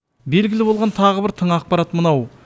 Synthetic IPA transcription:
be̞lɡʲɪlɪbo̞lˠʁɑnt̪ʰɑʁəbɪɾt̪ʰəɴɑq̚pɑɾɑt̪mənɑw

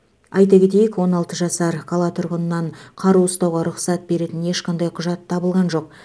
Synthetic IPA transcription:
ɑjt̪ɑkʲe̞t̪e̞jɪkwo̞nɑlˠt̪əʒɑsɑɾkʰolˠɑt̪ʰʊɾʁənənːɑɴqʰɑɾuʊst̪ɑwʁɑɾʊqsɑt̪̚be̞ɾe̞t̪ɪne̞ʃqɑnd̪ɑjqʰʊʒɑt̪ʰːɑbəlˠʁɑnʒo̞q̚

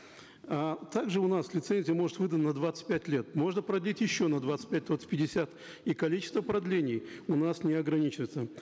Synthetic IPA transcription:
at̪aɡʐɨʊnaslʲɪt̪senʲzʲɪjəmo̞ʐɨt̪vɨd̪ənənɐd̪vat̪sɨ̥t̚ʲpʲætʲlʲet̪mo̞ʐnəpɾɐd̪lʲitʲjɪɕːonɐd̪vat̪sɨ̥tʲpʲæt̚ʲd̪vat̪sɨ̥tʲpʲɪdʲɪsʲat̪ | ikɐlʲit͡ɕɪ̥st̪vəpɾɐd̪lʲenʲɪjʊnasnʲɪɐɡɾɐnʲit͡ɕɪvəɪt̪sə

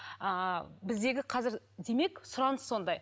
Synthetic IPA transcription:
əbɪzd̪e̞ɡʲɪqʰɑzɪɾ | d̪e̞me̞ksʊɾɑnəsːo̞nd̪ɑj

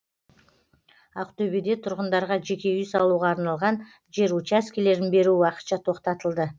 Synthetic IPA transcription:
ɑqt̪ʰɵbed̪e̞t̪ʰʊɾʁənd̪ɑɾʁɑʒe̞kʲe̞ʏjsɑlˠuʁɑːɾnɑlˠʁɑn | ʒe̞ɾut͡ʃaskʲele̞ɾɪnbe̞ɾuwɑqə̥t̪ʃɑt̪ʰo̞qt̪ɑt̪əlˠd̪ə

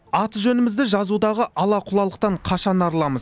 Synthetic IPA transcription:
ɑt̪əʒɵnɪmɪzd̪ɪʒɑzud̪ɑʁəʔɑlˠɑqʰʊlˠɑlˠəq̚t̪ɑɴqʰɑʃɑnɑɾlˠɑməz

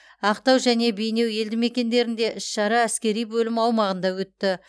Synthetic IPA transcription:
ɑq̚t̪ɑwʒæne̞be̞jne̞wje̞ld̪ɪme̞kʲe̞nd̪e̞ɾɪnd̪e̞ʔɪʃʃɑɾɑæskʲe̞ɾijbɵlɪmɑwmɑʁənd̪ɑwɵt̪ːɪ

